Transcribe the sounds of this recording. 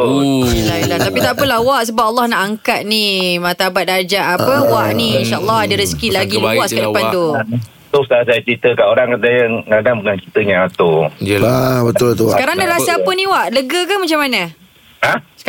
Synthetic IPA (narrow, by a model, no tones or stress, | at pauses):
ilailaht̪apit̪aʔpəlahwaʔsəbap̚ʔalːɑhnaʔaŋkat̪̚nimat̪aabat̪̚dad͡ʒaʔapəwaʔniinʃaʔəlːɑhadəɾəskilaɡilwaʔsəkadəpant̪u | t̪ʊsaasajat͡ʃɾit̪əkaʔoɾaŋdajəŋadaŋbəŋankit̪əɲaat̪oabət̪ʊlt̪uskaɾaŋnaɾasəapənĩwaʔləɡəkanmat͡ʃamana | as